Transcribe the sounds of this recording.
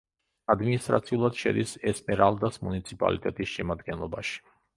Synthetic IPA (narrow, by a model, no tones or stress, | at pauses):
ad̪minist̪ʼɾa̰t̪sʰiulˠad̪̥ʃɛ̰d̪isɛsmɛɾalˠd̪asmunit̪sʰipʼa̰lḭt̪ʼɛt̪ʼisʃɛmad̪ɡɛnlˠɔbaʃi̥